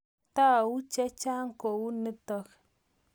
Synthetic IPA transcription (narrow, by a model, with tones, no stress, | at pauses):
t̪a˦˨u˦t͡ʃe˦t͡ʃa˦ŋ˦ko˨u˦nə˦t̪o˨x